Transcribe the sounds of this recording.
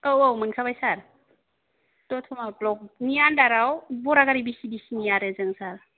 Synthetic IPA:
owowmɯnkʰabajsaɾ | tɔtʰɔmablɔk̚nijandaɾawbɔɾaɡaɾibisibisinijaɾezɯŋsaɾ

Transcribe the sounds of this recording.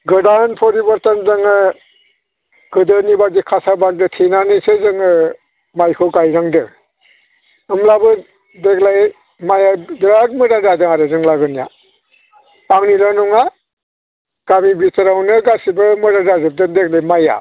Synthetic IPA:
ɡɯdanpʰɔɾibɔɾtanzɯŋɯ | ɡ̥ɯdɯnibaɾ̚dikʰasabaɾ̚dɯtʰenanisɯzɯŋɯ | majkʰɯɡajɾaŋdɯ | ɯmlabɯ | deklaj | majadiɾak̚mɯɾadadɯŋaɾɯzɯŋlaɡɯnija̰ | aŋnilanɔŋa | ɡ̥amibitaɾawnɯɡasibɯmɯɾadazɯp̚dɯndek̚lajmaja̰

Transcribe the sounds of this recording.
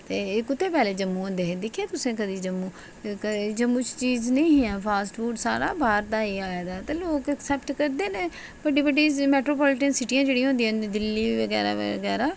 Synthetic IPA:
t̪eːkʊt̪ʰːeːpɛːleːd͡ʒəmːũːɦõnd̪eːẽːd̪ɪkʰieːt̪ʊsẽːkəd̪iːd͡ʒəmːũː | kəd͡ʒəmːũːt͡ʃt͡ʃiːznəĩːɦĩːãːpʰaːsʈfuːɖsaːɾa̰ːbʱaːɾt̪aːeːaːeːd̪aːt̪eːloːkəksɛːpʈkəɾd̪eːnẽː | bəɖiːbəɖiːmɛːʈɾoːpaːlɪʈənsɪʈiːãːd͡ʒeːɽĩːɦõnd̪ijãːd̪ɪlːiːʋəɡɛːɾa̰ːɡɛːɾaː

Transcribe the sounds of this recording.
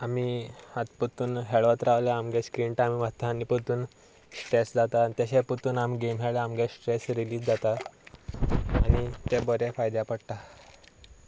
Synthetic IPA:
amihat̪pət̪uːnɦeɭʋət̪ɾaʋlaamɡẽskɾiɳʈamimat̪anipət̪uːn | sʈɾesd͡zat̪at̪jaɕɛput̪uːnamɡemɦeɭleamɡesʈɾesɾiliːd͡zd͡zat̪a | ɽit̪ebəɾɛfajd̪japəɽt̪a

